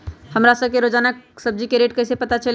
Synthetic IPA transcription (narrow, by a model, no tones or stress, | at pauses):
həmɾasəb̚keɾod͡ʒaːnaksəb̚d͡ʒikeɾeːʈkəɪsepət̪at͡ʃəl